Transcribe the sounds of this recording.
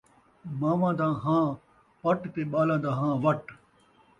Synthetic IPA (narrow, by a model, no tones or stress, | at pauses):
maːʋãːd̪ãːɦãː | pɐʈt̪eːɓaːlãːd̪ãːɦãːʋɐʈ